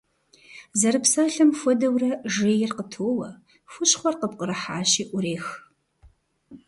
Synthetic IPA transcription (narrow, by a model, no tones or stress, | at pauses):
zɐɾɨpsaːɬɨmfʷɔdɐwrɐʒeːjɪrqətʰoːwɐ | fʷʊɕχʷɔrqəpqʼəɾɐħa̰ːɕiːʔʷʊɾeːx